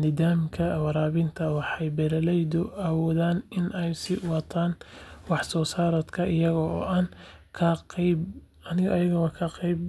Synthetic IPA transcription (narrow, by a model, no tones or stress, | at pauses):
nɪðaːmkʰɐwɑɾaːβɪnt̪ʰɐwɑħɑjbɛɾɐlɛjd̪ʊawɔːðaːnɪnʔɛjsɪwɑt̪ʰaːnwɑħsɔːsaːɾɐd̪kʰɐʔɪjɐɣɔːʔaːnkʰɐb | ɐnɪɣʔɐjɐɣɐwɐkʰɐqɛjb